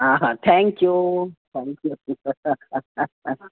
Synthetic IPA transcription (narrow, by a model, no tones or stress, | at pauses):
aɦãt̪ʰɛŋkjut̪ʰɛ̃ŋkju